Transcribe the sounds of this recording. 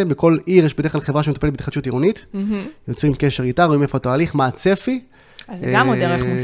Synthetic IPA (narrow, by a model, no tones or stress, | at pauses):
beko̞liʁjeʃbedeklaχevʁaʃemet̪apeetbeit̪χad̪ʃutiʁunitjo̞t͡sʁimke̞ʃeʁɡitaʁoimefoatoaliχmaːt͡se̞fi | azamdeʁe